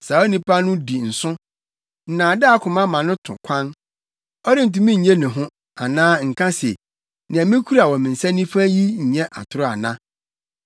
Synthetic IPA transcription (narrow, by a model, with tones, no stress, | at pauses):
sa˨ɔ˦nĩ˦pʰa˦nʊ̃˦di˨n̩˨sʊ̃˦ | n̩˨nãː˨dɪ˦a˨kʰʊ̃˨mã˦mã˨nʊ̃˦tʰʊ̰̃˨kʷʰã˦n | ɔ˦ɾɪ̃˦n̩˨t̬ũ˨mĩ˦ɲ̩˨ɲɛ̃˦nʊ̃˨ɦʊ̃˦ | a˨nãː˦ŋ̩˨kʰã˦sḛ˨ | nɪ̃˨a˨mɪ̃˦kʰu˦ɾa˨wɔ˨mɪ̃˨n̩˨sɛ˦nĩ˦fa˦ji˦ɲ̩˨ɲɛ̃˦ʔa̰˨tʰʊ˨ɾʊ˦a˨nã˦